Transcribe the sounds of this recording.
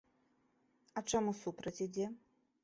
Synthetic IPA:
ɐt͡ʂamusupɾɐt͡sʲid͡zʲɛ

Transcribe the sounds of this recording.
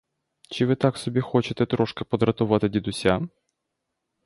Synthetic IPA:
t͡ʃɪʋɪt̪aksɔbʲixɔt͡ʃɪt̪ɛt̪ɾɔʂkɐpɔd̪ɾɐt̪ʊʋɑt̪ɪdʲid̪ʊsʲa

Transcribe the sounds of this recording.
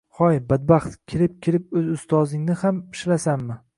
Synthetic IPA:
χɒjbad̪̚baχt̪kʲʰɪɾɪp̚kʲʰɪɾɪp̚ɵzʊst̪ʰɒzɪŋnɪhampʰɪ̥ʃlasamːɪ

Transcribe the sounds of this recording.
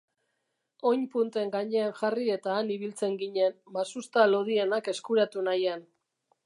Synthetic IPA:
o̞ɲpunt̪e̞ŋɡaɲe̞anʝarie̞t̪aːniβilt͡se̞ŋɡiɲenmasust̪alo̞ðienake̞skuɾat̪unajan

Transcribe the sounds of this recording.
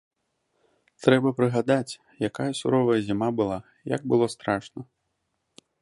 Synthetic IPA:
t̪ɾɛbɐpɾɨɣad̪at͡sʲ | jakajɐsuɾɔvɐjɐzʲimabɨlˠa | ja̰ɡ̚bɨlˠɔst̪ɾaʂnɐ

